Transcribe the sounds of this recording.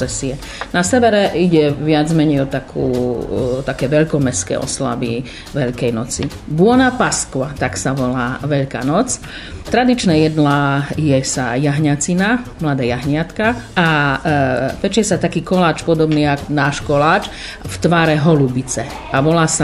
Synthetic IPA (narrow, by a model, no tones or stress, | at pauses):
ɛsiɛ | nasɛʋɛɾɛiɟɛʋɪad͡zmɛɲɛjɔt̪akʰṵːt̪akɛːʋɛʎkɔmɛskɛ̰ːɔ̰sla̰bḭ | ʋɛʎkɛjnɔt͡sḭ | bʊɔnapaskʋat̪aksaʋɔlaːʋɛʎka̰ːnɔt͡s | t̪ɾad̪it͡ʃnɛːjɛd̪lajɛsa̰jaɦɲat͡sinamlad̪aːjaɦɲɪat̪kaa | pɛt͡ʃɪjɛsat̪akiːkɔlaːt͡ʃpɔd̪ɔbniːakɔnaːʃkɔlaːt͡ʃ | ft̪ʋaːɾɛɦɔlubit͡sɛ | aʋɔlaːsa